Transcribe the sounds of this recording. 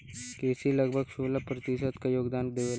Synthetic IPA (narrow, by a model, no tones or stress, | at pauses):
keːsilɐɡbʱəɡʃoːlapɾɐt̪ɪʃət̪kajoːɡd̪aːnd̪eʋeː